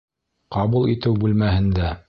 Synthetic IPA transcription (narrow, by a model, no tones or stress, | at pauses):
qɑβulˠit̪ɘwbʉlmæɦɘ̆nd̪æ